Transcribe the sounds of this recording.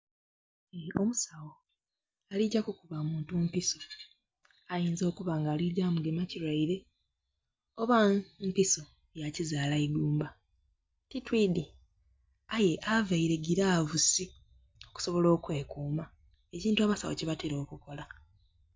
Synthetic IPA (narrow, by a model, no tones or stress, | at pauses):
eomusawo | aliɟakukuβaːmuːntumpiso̞ | ajiːnzo̞ːkuβaŋɡaːliɟaːmuɡe̞maciɾwaiɾe̞ | oβampiso | jacizaːlaiɡuːmba | titwidi | aje̞ʔavaiɾe̞ɡiɾavusi | o̞ku̥so̞βo̞lo̞ːkwe̞ːkuːma | e̞ciːntuaːβasa̰wo̰ceβateɾo̞ːkuko̞la